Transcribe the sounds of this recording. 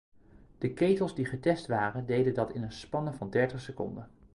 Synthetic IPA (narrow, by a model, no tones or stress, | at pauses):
d̥əkejtəlˠzdiχətɛstʋaːrəndejdəndɑtɪnənspɑnəvɑndɛɹtəχsəkɔ̰ndə